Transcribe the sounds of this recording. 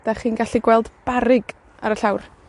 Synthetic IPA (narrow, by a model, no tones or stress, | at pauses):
d̥aχiːnɡaɬiɡwɛlˠdb̥aɾɪɡ | aɾəɬawr